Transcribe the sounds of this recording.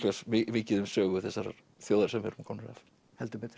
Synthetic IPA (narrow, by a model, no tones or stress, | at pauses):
lɛsmɪmɪːcɪðʏmsœːɣʏθɛsːaɾ | θjoːwðaɾ̥sɛmhɛ̰ɾʏmkʰɔnɾa̰f | hɛlt̪əbɪt̪